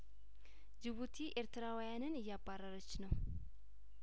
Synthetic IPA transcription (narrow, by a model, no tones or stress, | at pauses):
d͡ʒɪβut̪ʰiʔe̞ɾt̪ʰɨɾawjanɨnɨjːabːarəɾət͡ʃːnəw